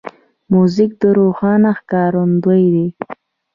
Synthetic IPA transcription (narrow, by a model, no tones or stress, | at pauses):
muzɪk̚d̪əɾoxɑnaxkɑːɾʊnd̪əjd̪e